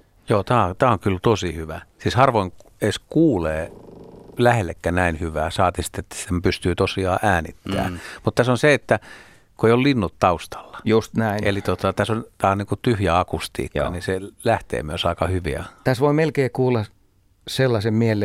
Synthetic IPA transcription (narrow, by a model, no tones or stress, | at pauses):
joːt̪æːot̪æːoŋkylt̪osihyʋæsiːshɑrʋoiŋ | eskuːleː | læhelːekːænæinhyʋæːsɑːt̪isi̥t̪ːet̪ːæ̥sempyst̪yːt̪osiɑːʔæːnḭt̪ːæ̰ːmut̪t̪æsonseet̪ːæ | kuoeˑiollinːut̪t̪ɑust̪ɑ̥lːɑ̥just̪næinelit̪ot̪ɑt̪æsont̪æːoniːŋkut̪yhjæɑkust̪ḭːkːɑ̰niselæht̪ḛːmyøsɑˑikɑhyʋḭæ̰t̪æsʋoimelkeːkuːlːɑ | selːɑsemmielːe